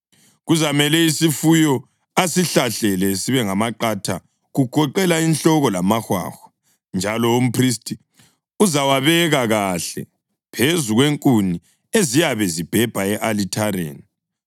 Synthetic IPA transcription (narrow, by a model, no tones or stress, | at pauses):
ɣuzamɛlɛisifujɔ | asiɬaɬɛlɛsiβɛŋamaǃatʰa | ɣuɡ̥ʱɔǃɛlainɬɔɣɔlamaxwa̰ːxɔ̥ | nd͡ʒʱalɔum̩pʰristʼi | uzawaβɛɣaɣaɬɛ̰ | pʰezuɣweŋkʼuni | ezijaβɛzib̥ʱɛb̥ʱaɛʔalitʰaɾḛːni